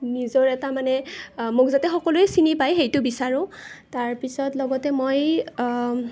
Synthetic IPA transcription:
nizɔɹɛtamanɛmʊkzatɛxɔkɔlojsinipajɦejtʊbisaɹʊ̃taɹpisɔtlɔɡɔtɛmoj

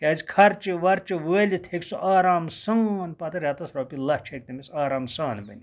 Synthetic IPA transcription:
kʲaːzʲikʰɐɾt͡ʃiʋɐɾt͡ʃiʋəːlʲit̪ʰekʲsuʔaːɾaːmsɐːnpɐt̪ɐɾʲaːt̪ɐsɾoːpilɐt͡ʃʰek̚t̪ɐmisaːɾaːmsaːnbɐ̰nʲi

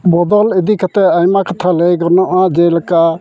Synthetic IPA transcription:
bɔd̪ɔlɛd̪ikʰat̪ɛajmakat̪ʰalejɡɔɾnɔʔad͡ʒelaka

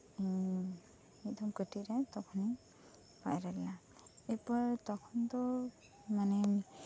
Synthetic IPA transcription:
ed̪ɔmkəʈiɾɛt̪ɔkʰɔni | pa̰jɾɛla | epɔɾt̪ɔkʰɔnt̪ɔ | manɛ

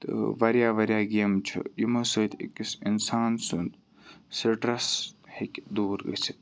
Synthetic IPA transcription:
t̪ʋɐɾjaːʋɐɾjaːɡijɐmt͡ʃʰṵjumɐsot̪ḭkisinsaːnsund̪ | səʈɾɐshekʲd̪uːɾɡə̰sʰi

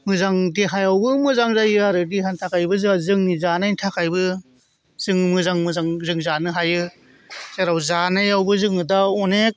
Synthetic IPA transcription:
mɯzaŋdiɦajawbɯmɯzaŋzajɯaɾɯdiɦantʰakʰajbɯzazɯŋnizanajntʰakʰajbɯ | z̥ɯŋɯmɯzaŋmɯzaŋzɯŋzanɯɦajɯ | seɾawzanajawbɯzɯŋɯdaɔnek̚

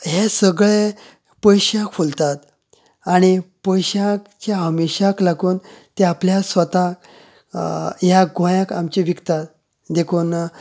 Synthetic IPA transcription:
ɦesəɡɭe | pəjɕãkfult̪at̪ | aɽ̃ipəjɕãkt͡ɕaɦəmeɕaklaɡuːnt̪eapljasʋət̪ak | jaɡʱõjakamt͡ɕiʋikt̪at̪ | d̪ekʰuːn

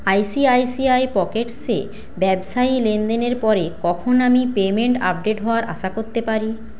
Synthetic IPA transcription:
ajsiajsiajpɔkeʈsḛ | bɛbʃailend̪eneɾpɔɾekɔkʰonamipemeɳʈa̰p̚ɖeʈɦɔoaɾʔa̰ʃakoɾt̪epaɾi

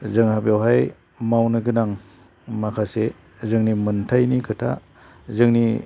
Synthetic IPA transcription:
zɯŋhabjawɦaj | mawnɯɡɯnaŋ | makʰase | zɯŋnimɯntʰajnikʰɯtʰa̰ | zɯŋni

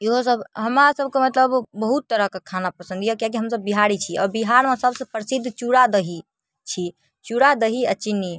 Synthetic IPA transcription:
iɦosəbɦəmɾasəb̚ʱkemət̪ləbbəɦut̪ːəɾəɦkekʰanapəsə̃nd̪ʱijəkak̬iɦəmsəbːiɦaɾit͡ʃʰiɔ̰ɾbiɦaɾmẽsəbsə̃pɾəsid̪ʱːt͡ʃuɽad̪əɦi | t͡ʃʰi | t͡ʃuɽad̪əɦiət͡ʃinːi

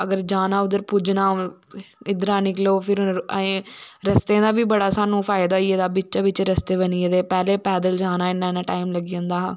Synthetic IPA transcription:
əɡəɾd͡ʒaːnaːʊd̪əɾpud͡ʒnaː | ɪd̪ɾãːnɪkloːpʰɪɾẽːɾəst̪ẽːd̪aːʋiːbəɽaːsaːnũːpʰaːɪd̪aːieːd̪aːbɪt͡ʃaːʋɪt͡ʃɾəst̪eːbəniːeːd̪eːpɛːleːpɛːd̪əld͡ʒaːnaːɪnːaːɪnãːʈaːimləɡiːõnd̪aːɦː

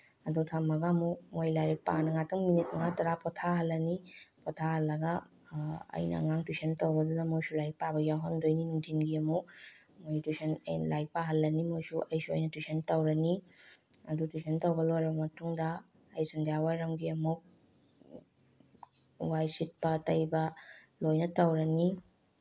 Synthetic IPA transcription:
ɐdutʰamɐɡamuk̚mojlajɾik̚pa̰nɐŋatʰɐŋminit̚mɐŋatɐɾapɔtʰaɦɐlːɐnipɔtʰahɐlːɐɡɐ | ɐ̰jnɐ̰ŋaŋtwusʰentɐwbɐdudɐmojsulajpabɐjawɦɐndojninuŋtʰinɡiɐmuk̚ | mojtusenlajpaɦɐlːɐnimojsuʔɐjsuɐ̰jnɐtusentɐwɾɐni | ɐdutusʰentɐwbɐlojɾɐbɐmɐtuŋdɐː | jsandijawaɾɐmɡiɐmuk̚ | wajsit̚pɐtɐjbɐ | lojnɐtɐwɾɐni

